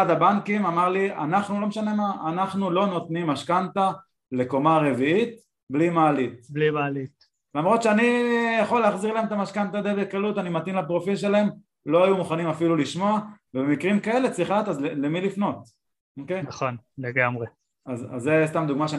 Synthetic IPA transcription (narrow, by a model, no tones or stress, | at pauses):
ad̪abaŋkimamaʁlia̰naχnulo̞meʃane̞maanaχnulo̞no̞t̪nimːaʃkant̪a | le̞ko̞maʁe̞viit̪ | blimaːlit̪blimalit̪ | lamʁo̞t̪ʃeanijaχo̞leːχziʁlaemet̪amaʃkant̪ajd̪ebekalut̪animat̪inlapʁo̞filʃe̞laem | lo̞ajumuχanimafiluliʃmo̞avebemikʁimkae̞let͡sʁiχat̪azlelemilifno̞t̪̚ | okejχonleɡamʁe | aza̰zːest̪amd̪uɡmaʃea